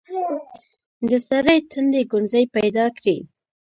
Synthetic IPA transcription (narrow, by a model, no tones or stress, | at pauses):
d̪əsaɾajt̪ʰənd̪eɡʊɳzajpajd̪ɑkɽi